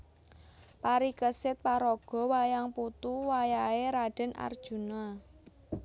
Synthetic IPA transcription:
paɾikəsɪt̪̚paɾoɡ̥ɔ̤wajaŋput̪uwajaeɾaɖ̥ə̤na̰rd̥ʒ̥ṳna

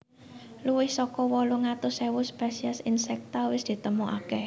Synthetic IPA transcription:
luwɪhsɔkɔwɔluŋat̪ʊsɛwʊspɛsiasinsɛk̚t̪awɪsd̪̥i̤t̪əmuʔa̰kɛh

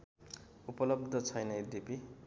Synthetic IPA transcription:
upʌlʌb̚d̪ʱʌt͡sʰʌjnʌjd̪ipi

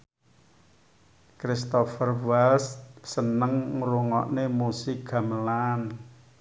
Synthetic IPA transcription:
kɾist̪ɔfərwalssənəŋɾuŋɔ̰ʔnemusɪk̚ɡ̥a̤məlan

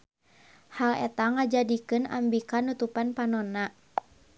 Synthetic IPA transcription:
halɛ̰t̪aŋad͡ʒadikɨna̰mbikanut̪upanpanɔna

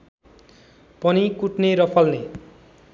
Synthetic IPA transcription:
pʌnikuʈneɾʌpʰʌlne

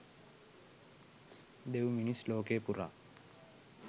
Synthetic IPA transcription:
d̪ewminisloːkeːpura̰ː

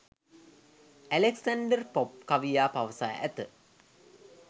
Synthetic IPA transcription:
æleksaɳɖərpop̚kaʋijaːpaʋəsa̰ʔæ̰t̪ə

